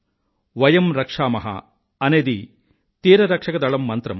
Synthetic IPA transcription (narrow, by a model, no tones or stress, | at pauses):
ʋɐjɐmɾɐkʂaːmɐɦɐ̰ | ɐneːd̪i | t̪iːɾɐɾɐkʂɐkɐd̪ɐɭɐmːɐnt̪ɾɐm